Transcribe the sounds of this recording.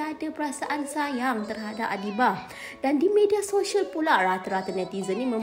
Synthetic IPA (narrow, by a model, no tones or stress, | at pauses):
adapəɾasaʔansajaŋt̪ərɦadap̚adibah | dandimediasoʃiəlpulaʔrat̪əɾat̪ənɛt̪izənimə̃